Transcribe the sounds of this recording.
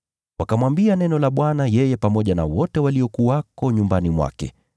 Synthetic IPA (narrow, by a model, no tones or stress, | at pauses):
wʔakamwambianɛnɔlaɓwanajɛjɛpamɔʄana̰wɔtɛwaliɔkuwakɔɲumbanimwa̰kɛ̰